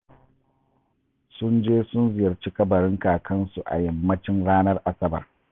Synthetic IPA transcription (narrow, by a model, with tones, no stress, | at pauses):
sʊ˦nd͡ʒeː˦sʊ˦nzɪ˨jɐ˨rt͡ʃi˦kɐ˦bɐ˨ɽɪ˦ŋkaː˨kʰɐ˦nsu˨ʔa̰˨jɐ˦mːɐ˦t͡ʃɪ˦nɽaː˦nɐ˦rʔa˨sɐ˦bɐ̰˨r